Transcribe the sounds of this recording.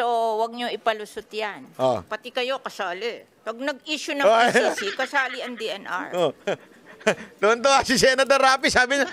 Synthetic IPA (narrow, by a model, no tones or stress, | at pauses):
sowɐɡ̚ɲoʔɪpɐlʊsʊt̪janʔo̰pɐt̪ɪkɐjo̞kɐsaːlɪ | pɐɡ̚nɐɡ̚iːʃʊnɐsikɐsaːliɐŋd̪iʔɛnʔa̰ɹo | d̪oʔɐnt̪oasɪs̬ɛːnɐd̪ɐɾaːpisaːbɪɲa